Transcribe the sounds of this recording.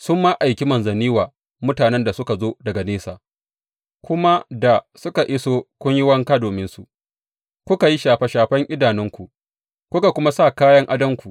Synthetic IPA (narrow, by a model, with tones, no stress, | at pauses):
sʊ˦mːa˦ʔa˨jkʲi˦mɐ˨nzɐ˨niː˦waː˨ | mʊ˦taː˨nɛ˦nda˨sʊ˦ka˨zoː˦dɐ˨ɡa˨neː˦saː˨ | kʷʊ˦ma˦da˨sʊ˦ka˨ʔɪ˦soː˦kʷʊ˦ɲjɪ˦wɐ˦ŋka˦doː˨mɪ˦nsu˨ | kʷʊ˦ka˨ji˦ʃaː˨ɸa˦ʃaː˨ɸɐ˦ŋʔʲɪ˦daː˨nɪ˦ŋkʷu˨ | kʷʊ˦ka˨kʷʊ˦ma˦sa˦˨kaː˦jɐ˦ŋʔa˦dɐ˦ŋkʷu˨